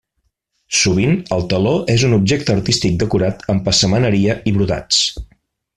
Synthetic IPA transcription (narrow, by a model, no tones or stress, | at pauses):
suβ̞inəlˠt̪əloʔezunub̚ʒek̚t̪əəɾt̪ist̪ik̚d̪əkuɾat̪əmpəsəmənəɾiəʔiβɾuða̰t͡s